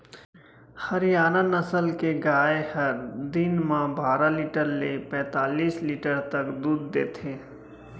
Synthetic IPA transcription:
hɐɾɪjaːnanɐsəlkeɡaːehɐɾd̪ɪnmãbaːɾaliːʈəɾlepɛ̃ːt̪aːliːsliːʈəɾt̪ɐkd̪uːd̪ːḛːt̪ʰeː

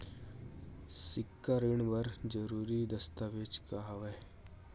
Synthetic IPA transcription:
sɪkːaɾɪɳ̃bɐɾd͡ʒəɾuːɾid̪ɐst̪aʋeːt͡ʃkaɦɐʋe

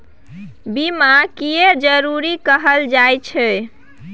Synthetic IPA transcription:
bimakied͡ʒəɾuɾikəɦəld͡ʒajt͡ʃʰɛ

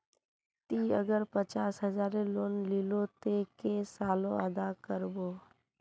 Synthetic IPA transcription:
t̪iːəɡəɾpət͡ʃaːsɦəzaːɾeloːnlilot̪ekesaːlõəd̪akəɾboː

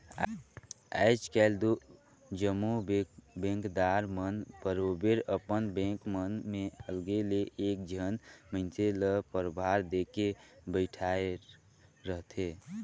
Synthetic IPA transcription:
a̰ɪt͡ʃkɛld̪u | d͡ʒəmːubbẽŋkd̪aɾmənpəɾobeɾəpənbẽŋkmənmeəlɡeleʔek̚d͡ʒʱənməɪnseləpəɾbʱaɾd̪ekebəɪʈʰae | ɾəɦt̪ʰe

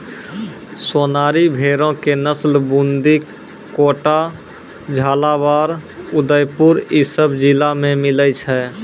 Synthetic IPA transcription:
soːnaːɾibʱeːɾõkenəslbũnd̪i | koːʈa | d͡ʒʱaːlaʋaːɾʊd̪əjpʊɾisəbd͡ʒɪlamẽmɪləjt͡ʃʰɛː

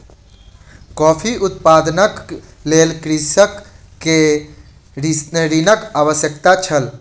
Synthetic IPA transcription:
kɔːpʰiʔut̪̚pad̪nəklelkɾisəkː | e | ɾinəɾinəkabəsjəkt̪at͡ʃʰəl

